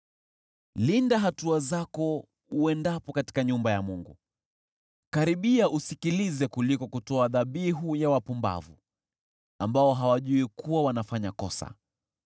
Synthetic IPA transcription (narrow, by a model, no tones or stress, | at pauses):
lindaɦatuazakɔ | uɛndapɔkati̥kaɲumbajamuŋɡṵ | kaɾiɓiaʔusikilizɛkulikɔkutɔaðaɓiɦujawapumba̰vu | ambaɔɦawaʄuikuwawanafaɲakɔsa̰